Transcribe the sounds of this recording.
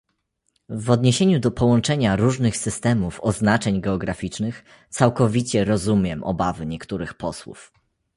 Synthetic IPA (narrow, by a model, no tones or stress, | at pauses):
vɔd̪ɲeɕeɲud̪ɔpɔwɔ̃nt͡ʂɛɲaɾuʐnɘxsɘst̪ɛmufɔznat͡ʂɛɲɡɛɔɡɾafʲit͡ʂnɘx | t̪sawkɔvʲit͡ɕɛɾɔzumʲjɛmʔɔ̰bavɘɲɛkt̪uɾɘxpɔswṵf